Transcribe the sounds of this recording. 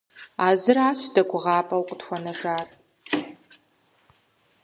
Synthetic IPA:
aːzɨraːɕdɐɡʷʊʁɑːpʼɐwqʷʼʊdxʷɔnɐʒaːr

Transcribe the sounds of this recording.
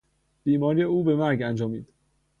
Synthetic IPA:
b̥iːmɒːɾijeuːbemæɾɡænd͡ʒɒːmiːd̪̥

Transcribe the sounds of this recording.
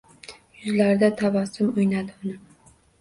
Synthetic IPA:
jʊzlaɾd̪at̪ʰavɒsɪmʊjnad̪ɪʊnɪ

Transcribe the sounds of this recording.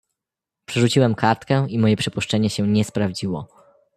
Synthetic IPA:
pʂɛʐut͡ɕiwɛmkaɾt̪kɛ̃imɔjɛpʂɘpuʂt͡ʂɛɲɛɕɛɲɛspɾavd͡ʑiwɔ̰

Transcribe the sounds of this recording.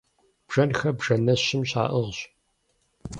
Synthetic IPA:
b̥ʒ̥ɐnxɐbʐɐnɐɕɪmɕa̰ːʔɨʁɕ

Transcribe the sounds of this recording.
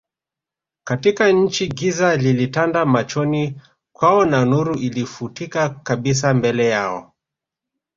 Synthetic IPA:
katikaɲ̩t͡ʃiɡizalilitandamat͡ʃɔni | kwaɔnanuɾuilifutikakaɓis̬ambɛlɛjaɔ̰

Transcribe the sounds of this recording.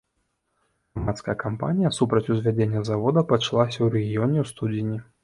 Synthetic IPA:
ɣamat̪skɐjɐkampa̰nʲijɐsupɾɐt͡sʲuzʲvʲad͡zʲenʲːɐzavɔd̪ɐpɐt͡ʂlˠasʲɐwɾɛɣʲijɔnʲɛwst̪ud̪ʲinʲi

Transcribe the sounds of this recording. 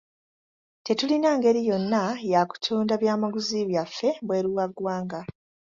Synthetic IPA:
te̞tulinaːŋɡe̞ɾijo̞nːajaku̥tʰuːndaβjaːmaɡuziβjafːe̞βwe̞ːɾuwaɡwaːŋɡa

